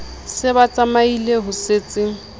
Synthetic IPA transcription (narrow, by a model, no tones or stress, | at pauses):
sɪbat͡sʼamaileɦʊseːt͡sʼɪ